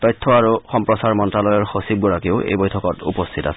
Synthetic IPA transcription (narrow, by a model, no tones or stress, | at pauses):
tɔjtʰːɔaɹuxɔmpɹɔsaɹmɔntɹalɔjɔɹxosib̚ɡɔɹakeʊʔḛjbɔjtʰɔkɔtṵpɔstʰita̰sɛ̥